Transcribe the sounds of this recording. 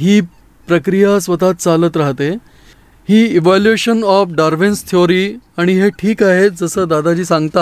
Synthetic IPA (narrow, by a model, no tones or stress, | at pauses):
ɦiː | pɾəkɾijasʋət̪at̪̚t͡salət̪ɾaɦt̪e | hiːiʋæljueɕənɔfɖaɾʋenst̪ʰioɾiːaɽ̃iɦeʈʰiːkaɦed͡zəsəːd̪ad̪ad͡ʑiːsãŋɡt̪a